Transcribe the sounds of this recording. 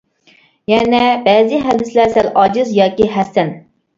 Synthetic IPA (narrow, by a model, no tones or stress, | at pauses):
jɛnɛbɛːziɦɛd̪ɪslæɾsælʔɑːd͡ʒɨzjɑːkʲiɦɛsɛn